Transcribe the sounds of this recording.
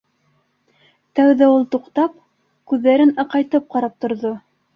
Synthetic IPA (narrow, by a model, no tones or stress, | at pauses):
t̪æwðæulˠt̪uqt̪ɑp | kʉðːæɾɘnɑqɑjt̪ɤp̚qɑɾɑp̚t̪ŏɾðo